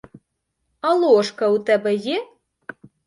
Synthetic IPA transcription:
ɐlˠɔʂkɐwt̪ɛbɛjɛ

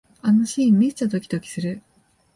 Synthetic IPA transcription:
anoɕiːmːit͡ɕad̪o̞kʲi̥d̪o̞kʲi̥sɨɾɯ̟

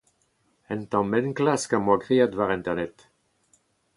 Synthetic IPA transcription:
ɛnt̪ɑ̃mɛnklaskamwaɡʁiad̪vaʁɛ̃nt̪ɛʁnɛt̪

